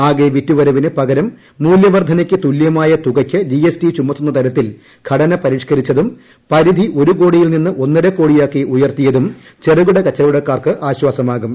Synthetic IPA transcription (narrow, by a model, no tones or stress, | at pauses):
aːɣeʋitːuʋɐɾɐʋinɨpɐɡɐɾɐmː | uːljɐʋɐrd̪ʱɐnɐkʲːɨt̪uljɐmaːjɐt̪uɡɐkʲːɨd͡ʑiesʈit͡ɕumːɐt̪ːunːɐt̪ɐɾɐt̪ːil | ɡ̥ʰʱɐɽɐnɐpɐɾiːʂkɐɾit͡ɕːɐðum | pɐɾid̪ʱiʔo̞ɾuko̞ːɽijilninːɨʔo̞nːɐɾekːo̞ːɽijaːkːiʔujɐrt̪ijɐðum | t͡ɕe̞ruɣuɽɐkɐt͡ɕːɐɾuɽɐkːaːrkɨʔaːɕwaːsɐmaːɣum